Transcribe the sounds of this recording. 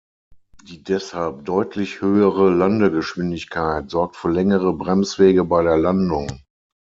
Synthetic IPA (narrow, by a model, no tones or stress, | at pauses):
d̥iːdɛshalp̚d̥ɔʏtʰlɪçhøːəʁəlandəɡəʃv̥ɪndɪçkʰaɪtz̥ɔɐk̚tfyːɐlɛŋəʁəbʁɛmsv̥eːɡəbaɪɾeːɐlandʊŋ